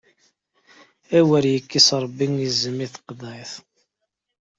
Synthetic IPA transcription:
æwəɾjəkːisɾˤəbːiŋizəmːiθə̥qd̪ˤɑjθ

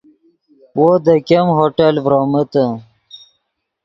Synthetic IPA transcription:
wod̪əkemɦoʈelvɾoːmət̪ə

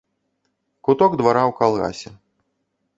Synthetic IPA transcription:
kut̪ɔɡd̪vaɾawkalˠɣa̰sʲɛ

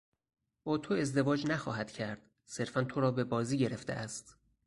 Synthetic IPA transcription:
b̥ɒːt̪ʰoe̞zd̪e̞vɒːd͡ʒnæxɒːɦæd̪̥cʰæɾd̪̥ | se̞ɾfænt̪ʰoɾɒːbe̞bɒːziːɟe̞ɾe̞ft̪ḛʔæst̪

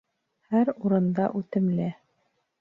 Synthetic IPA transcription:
hæɾuɾɤ̆nd̪ɑʔʉt̪ɘ̆mlɘ

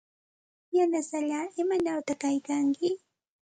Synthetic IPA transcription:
janasaʎaːɪmanawt̪akajkaŋkɪ

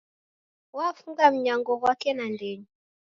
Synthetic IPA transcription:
wafuŋɡam̩ɲaŋɡɔɣwakɛnandɛɲɔ

